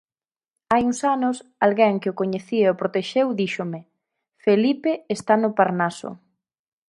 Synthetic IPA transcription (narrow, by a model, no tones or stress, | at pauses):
ajuŋsanʊsalɣɛŋkɪokoɲeθieopɾot̪eʃewðiʃʊmɪ | felipeːst̪anʊpaɾnasʊ̰